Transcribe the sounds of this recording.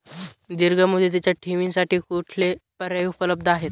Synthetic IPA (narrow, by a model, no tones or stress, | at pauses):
d̪iɾɡəmud̪ʱet̪̬it͡ɕjaʈʰiʋiŋsaʈiːkuʈʰlepəɾəupələb̚d̪ʱaɦet̪̚